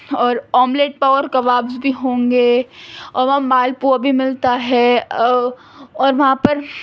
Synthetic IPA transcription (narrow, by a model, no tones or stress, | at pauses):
ɔːɾɔːmleːʈ̚paːʋəɾkɐʋaːbsbʱiɦõːŋɡeːɔːɾʋɐãmaːlpuabʱimɪlt̪aɦɛ | ɔːɾʋɐɦãpɐɾ